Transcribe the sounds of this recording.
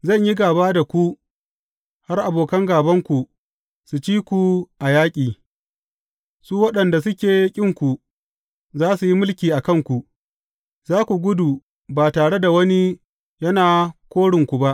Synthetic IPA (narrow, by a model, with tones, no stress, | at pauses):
zɐ˦˨ɲji˦ɡaː˨baː˦da˨kʷu˦ | ha˦rʔa˨boː˨kɐ˦ŋɡaː˨bɐ˦ŋkʷu˨ | su˨t͡ʃiː˦kʷu˨ʔa˨jaː˦kʲʼiː˨ | suː˦wɐ˦ɗɐ˨nda˨s̬ʊ˦kʲeː˨kʲʼɪ˦˨ŋkʷu˨ | zaː˦su˨ji˦mʊ˦lkʲiː˨ʔa˨kɐ˦ŋkʷu˨ | zaː˦kʷu˨ɡʷʊ˦duː˨ | baː˨taː˨ɽe˦da˨wɐ˦ni˦ | jɐ˦naː˨kʷoː˦ɽɪ˨ŋkʷu˨ba˦ʔ